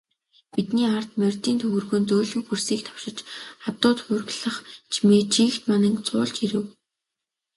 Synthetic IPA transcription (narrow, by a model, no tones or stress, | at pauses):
pit̪niːart̪mœrʲt̪iːnt̪ʰɵɣɵ̆rɣoːnt͡soːɮŭwpursiːk̚t̪ʰḁwʃɪ̆t͡ɕχat̪ʊːt̪χʊrɣɮə̆χt͡ɕʰimet͡ɕʰiːkt̪manə̆ŋkt͡sʊːɮt͡ɕiɾɘ̆w